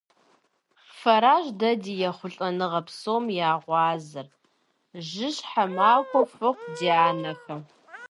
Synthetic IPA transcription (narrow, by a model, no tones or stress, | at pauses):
fɐɾaːʒdɐdiːjɛχʷʊɬʼɐnɨʁɐpsoːmjaːʁʷɑːzɨr | ʒɪɕħamaːkʷɔfɨχʷdiːaːnɐxɐ